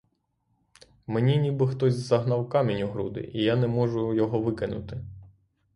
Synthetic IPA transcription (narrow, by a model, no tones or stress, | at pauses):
menʲinʲibɪxt̪ɔzʲzzɐɦnɑwkɑmʲinʲʊɦɾṵd̪ɪ̰ʔijanɛmɔʒʊjɔɦɔʋɪkɪnʊ̰t̪ɪ